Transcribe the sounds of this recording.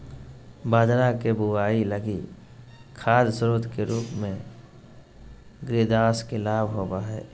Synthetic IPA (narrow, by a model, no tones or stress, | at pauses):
baːd̪ɾakebuwaːiləɡi | kʰaːd̪sɾoːd̪keɾuːpmẽ | ɡɾeːd̪aːskelaːbɦoːbaɦɛ̰ː